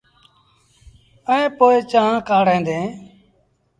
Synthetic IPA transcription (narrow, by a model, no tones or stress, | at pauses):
əẽːpoːeːt͡ʃãːãːkaːɽẽːnd̪ẽː